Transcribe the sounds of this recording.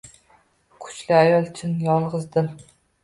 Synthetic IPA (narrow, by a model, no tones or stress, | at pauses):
kʰʊ̥t͡ʃlɪajɒlˠt͡ʃʰɪnjɒlˠʁɨzd̪ɪm